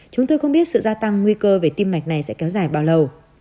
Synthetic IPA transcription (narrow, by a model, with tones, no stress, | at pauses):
t͡ɕʊ˨˦ŋ͡mt̪oː˧jxə˧wŋ͡mɓi˦˥ət̚sɨ̰˧˨zaː˧t̪a˧ŋːŋwi˧kəː˧ve˨˩t̪i˧mːa˨˩jk̟̚na˨˩jsɛ̰˧˥kɛ˨˦wzaː˧˩jɓaː˨˩wlə˨˩w